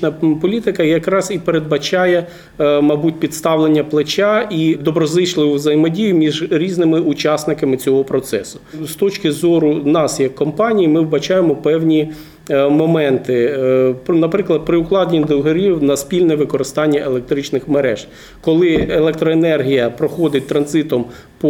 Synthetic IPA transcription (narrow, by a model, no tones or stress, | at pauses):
nɐpɔlʲit̪ɪkɐjɐkɾɑsipeɾed̪̚bɐt͡ʃɑjɛ | mɐbut̚ʲpʲidt̪st̪ɑwlˠenʲːɐplˠet͡ʃʲɑid̪ɔbɾɔzˠɪt͡ʃlˠɪʋʊʋzɐjɪmɔdʲijʊmʲiʒɾʲiznɪmɪʔʊt͡ʃɑsnɪkɐmɪt͡sʲɔɦɔpɾɔt̪sɛ̰sʊ̥st̪ɔt͡ʃʲkɪzɔɾʊnɑsjɐkʰːɔmpɑnʲijimɪwbɐt͡ʃɑjemɔpɛwnʲi | mɔmɛnt̪ɪ | nɐpɾɪklˠɐd̪̚pɾɪʊklˠɑd̪ʲnʲid̪ɪwɦɐɾʲiwnɐspʲilʲnɛʋɪkɔɾɪst̪ɑnʲːɐʔelek̚t̪ɾɪt͡ʃnɪxmeɾɛ̰ʒ̥ | kɔlˠɪelˠɛk̚t̪ɾɔenɛrɦʲijɐpɾɔxɔd̪ɪt̚ʲt̪ɾɐnzɪt̪ɔm | pɔ